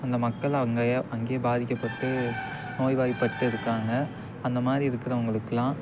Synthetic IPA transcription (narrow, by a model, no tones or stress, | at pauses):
ɐnd̪ɐmɐkːɐɭɐʋɐŋɡɐʔɐŋɡeːbaːðɪkʲːɐpːɐʈːɯ | noːjʋaːjipːɐʈːɯɪɾɯkːaːŋɡɐ | ɐnd̪ɐmaːd̪ɾiɪɾɯkːɪɾɐʋɐŋɡɐɭɯkːɐlãː